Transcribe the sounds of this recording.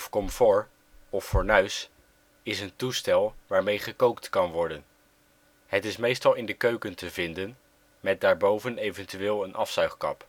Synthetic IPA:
fkɔmfʊːɹ | ɔfːʊːɹnœɥs | ɪsəntustɛlˠʋaːɹmejχəkowktkɑnʋɔɹdən | ɦətɪsmejstɑlˠɪndəkøɥkəntəvɪndən | mɛt̚daːɹbowvənejvəntyʋɪːlˠənʔɑfsœɥχkɑ̰p

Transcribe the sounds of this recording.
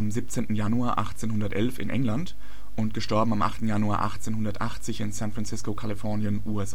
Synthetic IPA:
ʔamziːp̚t͡seːntn̩januaːɐʔa̰χt͡seːnhʊndɐtʔɛlfɪ̰nʔɛ̰ŋlant | ʔʊntɡ̥əʃtɔɐbm̩amʔa̰χtn̩januaːɐʔa̰χt͡seːnhʊndɐtʔaχt͡sɪçɪnsɛ̃nfʁant͡sɪskokʰalifɔɐnjənʔuːɛsʔ

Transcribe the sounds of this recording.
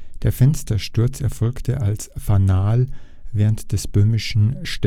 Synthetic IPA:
d̥eːɐfɛnstɐʃtʊɐt͡sɛɐfɔlktʰəʔalsfanaːl | vɛːʁəntd̥ɛsb̥øːmɪʃn̩ʃt

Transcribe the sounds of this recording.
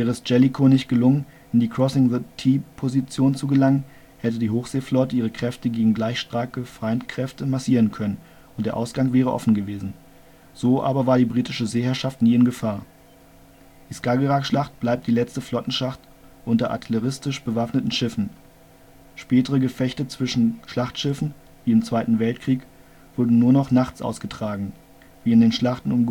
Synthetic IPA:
vɛːʁəɛsd͡ʒ̥ɛlikʰonɪçtɡ̥əlʊŋən | ʔɪndiːkʁ̥ɔsɪŋðətʰiːpʰozit͡sjoːnt͡suɡəlaŋən | hɛtədiːhoːxz̥eːflɔtəʔiːʁ̞əkʁ̥ɛftəɡeːɡŋ̩ɡlaɪçʃtʁ̥aːkəfʁ̥aɪntkʁ̥ɛftəmasiːʁənkʰœnən | ʊntd̥eːɐʔaʊsɡ̥aŋvɛːʁəʔɔ̰fn̩ɡəveːzn̩ | z̥oːʔa̰ːbɐvaːɐdiːbʁiːtɪʃəzeːhɛɐʃaftniːɪnɡəfaːɐ | d̥iːskaɡəʁakʃlaχt̚b̥laɪp̚t̚d̥iːlɛt͡stəflɔtn̩ʃaχt | ʔʊntɐʔa̰tʰɛləʁɪstɪʃb̥əvafnətn̩ʃɪfn̩ | ʃpɛːtəʁəɡəfɛçtət͡sv̥ɪʃn̩ʃlaχtʃɪfn̩ | viːɪmt͡sv̥aɪtn̩vɛltkʁ̥iːk | v̥ʊɐdn̩nuːɐnɔχnaχt͡sʔa̰ʊsɡ̥ətʁ̥aːɡŋ̩ | viːɪndeːnʃlaχtn̩ʊm

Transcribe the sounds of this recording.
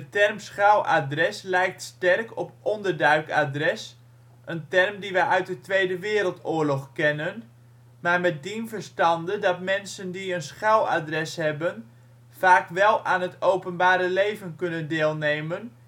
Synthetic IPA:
ətɛrmsχawʔa̰drɛslɛjk̚tstɛrkɔpʔɔndərdœɥka̰drɛs | ʔəntɛrmdiʋɛjʔœɥt̚dətʋejdəʋɪːɾəlˠtʊːrlɔχkɛnən | maːɹmɛt̚dinvərstɑndədɑtmɛnsəndiənsχawa̰drɛshɛbən | faːkʋɛlˠʔaːnɦətʰowpənbaːɾəlejvənkɵnəndeːlˠnejmən

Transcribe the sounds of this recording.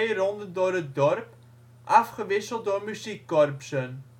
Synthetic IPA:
jrɔndəndʊːrət̚dɔrp | ʔɑfχəʋɪsəlˠt̚dʊːrmyzikːɔrpsən

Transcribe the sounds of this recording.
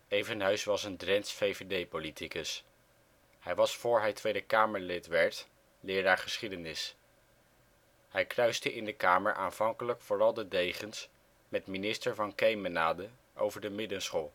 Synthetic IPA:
ejvənɦœɥsʋɑsəndrɛnsfejvedejpolitʰikəs | hɛjʋɑsfʊːɹɦɛjtʋejdəkaːməɹlɪtʋɛɹt | lɪːɾaːɹχəsχidənɪs | hɛjkrœɥstəʔɪndəkaːməɹʔa̰ːnv̥ɑŋkələkfʊːrɑlˠdədejχəns | mɛtminɪstəɹvɑnkejmənaːdə | ʔo̰wvəɹdəmɪdənsχoːlˠ

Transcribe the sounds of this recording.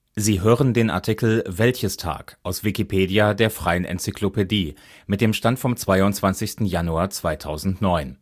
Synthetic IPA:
ziːɦøːʁəndeːna̰ɐtʰikl̩vɛlçəstʰa̰ːkʔaʊsv̥ikipʰeːdiadeːɐfʁ̥aɪənʔɛ̰nt͡sikʰl̥opʰediː | mɪt̚d̥eːmʃtantfɔmt͡sv̥aɪʊntt͡sv̥ant͡sɪçstn̩januaːɐt͡sv̥aɪtʰaʊzn̩tnɔʏn

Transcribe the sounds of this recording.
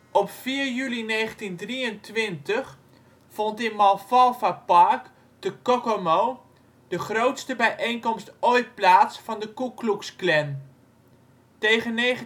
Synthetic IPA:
ʔɔpfiːɹjylinejχəntindriəntʋɪntəχ | fɔntɪnmɑlˠfɑlˠfapaɹk | d̥əkokomow | d̥əχrowtstəbɛjʔejnkɔmstojt̚plaːtsfɑndəkukluksklɛn | tejχənːejχə

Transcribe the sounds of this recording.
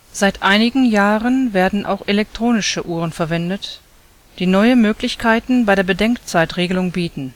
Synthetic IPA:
z̥aɪtʔaɪnɪɡŋ̩jaːʁənveːɐdn̩ʔa̰ʊxʔelɛk̚tʁ̥oːnɪʃəʔuːʁ̞ənfɛɐvɛndət | d̥iːnɔʏəmøːklɪçkʰaɪtn̩baɪdɾeːɐbədɛŋkt͡saɪtʁeːɡəlʊŋbiːtn̩

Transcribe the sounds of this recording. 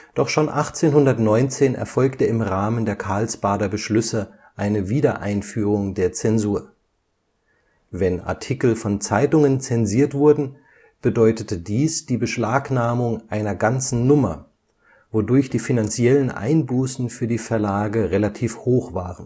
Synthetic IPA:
d̥ɔχʃoːnʔaχt͡seːnhʊndɐtnɔʏnt͡seːnɛ̰ɐfɔlktəɪmʁaːməndeːɐkʰaɐlsb̥aːdɐbəʃlʏsə | ʔaɪnəviːdɐʔaɪnfyːʁʊŋdeːɐt͡sɛnzuːɐ | vɛna̰ɐtʰikl̩fɔnt͡saɪtʊŋənt͡sɛnziːɐtv̥ʊɐdn̩ | b̥ədɔʏtətədiːsd̥iːbəʃlaːknaːmʊŋʔaɪnɐɡant͡sn̩nʊmɐ̰ | vodʊɐçd̥iːfinant͡sjɛlənʔa̰ɪnbuːsn̩fyːɐdiːfɛɐlaːɡəʁelatʰiːfhoːχv̥aːʁən

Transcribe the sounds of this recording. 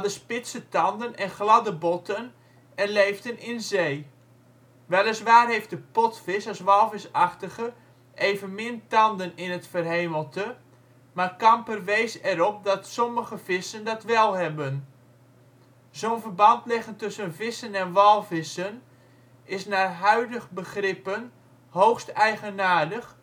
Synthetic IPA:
adəspɪsətɑndənɛnχlɑdəbɔtʰən | ɛnlejfdənɪnzeː | ʋɛlˠəsʋaːrɦejft̚dəpɔtfɪsɑsʋɑlˠfɪsɑxtəɣə | ʔeːvənmɪntɑndənɪnətfərɦeːməlˠtə | maːrkɑmpərʋejsɛɾɔp̚dɑtsɔməɣəv̥ɪsəndɑtʋɛlˠɦɛbən | zownvərbɑntlɪɣəntʏsənvɪsənɛnʋɑlˠvɪsən | ɪsnaːɦœɥdəχbəχrɪpən | howxstɛjɣənaːrdəχ

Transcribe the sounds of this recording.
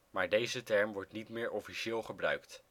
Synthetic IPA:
maːɹdejzətɛɹmʋɔɹtnitmɪːɹʔɔfiʃɪːlˠχəbrœ̰ɥkt

